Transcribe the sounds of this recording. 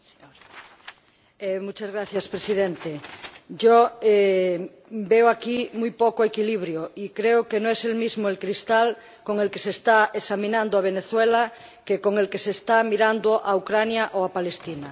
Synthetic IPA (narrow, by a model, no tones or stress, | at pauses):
emut͡ʃazɣɾaθjaspɾesiðent̪eɟ͡ʝoe | beoakimujpokoekiliβɾjoikɾeokenõeselmizmoelkɾist̪al | koŋelkesest̪aesamĩnãnd̪oaβ̞eneθwela | kekoŋelkeseːst̪amiɾand̪oʔaukɾanjaʔoapale̞st̪ina